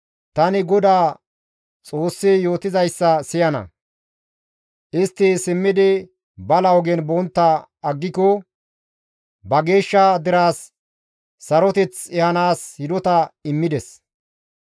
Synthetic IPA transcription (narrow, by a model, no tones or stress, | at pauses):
t̪ɐnɪɡɔd̪aː | t͡sʼo̞ːsːɪjoːt̪ɪzɐjsːɐsɪjɐnɐ̰ | ʔɪst̪ːɪsɪmːɪd̪ɪ | bɐlɐwɡɛnbɔnt̪ːɐ | ɐɡːɪkɔ | bɐɡe̞ːʃːɐd̪ɪɾaːsː | ɐɾɔt̪ɛt͡sɛhɐnaːshɪd̪ɔt̪ɐɪmːɪd̪ɛs